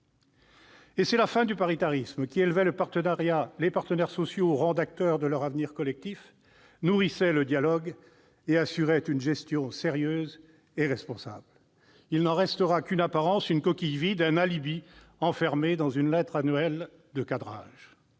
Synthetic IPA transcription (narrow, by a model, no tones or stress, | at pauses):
esɛlafɛ̃d̪ypaʁit̪aʁismkʲielvɛləpaʁt̪ənaʁjalepaʁt̪ənɛʁsɔsjoʁɑ̃d̪ak̚t̪œʁd̪əlœʁavniʁkɔlɛk̚t̪if | nuʁisɛləd̪jalɔɡ | easyʁɛt̪ynʒɛst̪jɔ̃seʁjøːz | eʁɛspɔ̃sa̰bl | ilnɑ̃ʁɛst̪əʁakynapaʁɑ̃synkɔkʲijvid̪ɛ̃nalibi | ɑ̃fɛʁmed̪ɑ̃zynlɛt̪χanɥɛl | d̪əkad̪ʁa̰ʒ